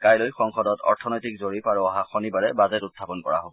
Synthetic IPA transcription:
kajlojxɔŋxɔdɔtɔ̰ɹtʰɔnɔjtik̚zoɹipaɹuɔɦaxɔnibaɹɛbazɛtutʰːapɔnkɔ̰ɹa̰ɦobɔ

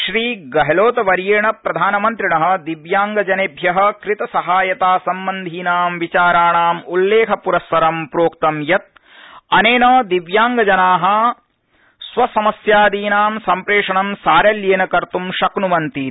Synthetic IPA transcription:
ʃɾiːɡɐɦɐloːt̪ɐʋɐɾjeːɳɐpɾɐd̪ʱaːnɐmɐnt̪ɾiɳɐɦɐ̆d̪iʋjaːŋɡɐd͡ʒɐnebʱjɐɦɐ̆kɾit̪ɐsɐɦaːjɐt̪aːsɐmbɐnd̪ʱiːnaːmʋit͡ʃaːɾaːɳaːmulːeːkʰɐpuɾɐsʋɐɾɐmpɾoːkt̪ɐmjɐt̪̚ | ɐneːnɐd̪iʋjaːŋɡɐd͡ʒɐnaːɦɐ̆ | sʋɐsɐmɐsjaːd̪iːnaːmsɐmpɾeːʂɐɳɐmsaːɾɐljeːnɐkɐɾt̪umʃɐknumɐnt̪iː

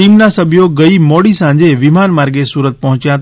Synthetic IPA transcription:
iːmnasəbʱjoɡəimɔːɽisã̆d͡ʑeʋɪmaːnmaːɾɡesuːɾət̪̚pɐɦʊ̃t͡ʃjãt̪

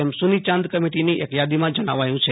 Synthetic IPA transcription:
ɛmsunit͡ʃãnd̪kəmiʈiniʔekjad̪imãd͡ʒəɽ̃aʋajũt͡ʃʰe

